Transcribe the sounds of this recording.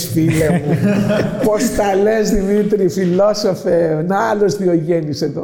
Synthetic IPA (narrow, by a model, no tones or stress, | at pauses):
sfilemu | po̞st̪ɐlezðimit̪ɾifilosofenɐlozðioʝeniset̪o